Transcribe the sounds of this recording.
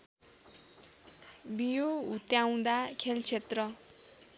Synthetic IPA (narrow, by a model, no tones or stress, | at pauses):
bijoɦut̪jaw̃d̪akʰelt͡sʰet̪rʌ